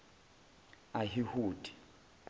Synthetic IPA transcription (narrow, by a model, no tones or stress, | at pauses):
ahihuːdʰʱʼi̥